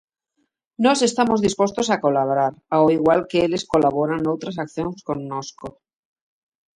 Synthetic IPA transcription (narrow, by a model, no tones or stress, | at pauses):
nose̞st̪amozðispost̪osakolaβɾaɾawiɣwalkeeleskolaβ̞oɾanowt̪ɾasakθjonskonːosko